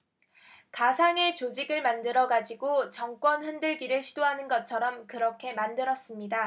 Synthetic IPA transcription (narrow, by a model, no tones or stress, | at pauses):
kasʰaŋe̞t͡ɕod͡ʑiɡɯɭmandɯɾʌɡad͡ʑiɡot͡ɕʌŋk͈wʌnɸɯndɯɭɡiɾɯɭɕʰidoɦanɯnɡʌt̚t͡ɕʰʌɾʌmkɯɾʌkʰe̞mandɯɾʌs͈ɯmɲida